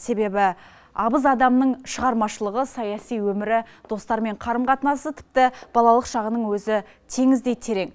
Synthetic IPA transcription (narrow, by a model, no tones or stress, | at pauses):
se̞be̞bɪ | ɑbəzɑd̪ɑmnəɴʃəʁɑɾmɑʃəlˠəʁəsɑjɑsijwɵmɪɾɪd̪o̞st̪ɑɾme̞ɴqʰɑɾəmqʰɑt̪ənɑsət̪ʰɪ̥p̚t̪ɪb̥ɑlˠɑlˠəqʃɑʁənəɴwɵzɪ | t̪ʰe̞ŋɪzd̪e̞j̪t̪ʰe̞ɾe̞ŋ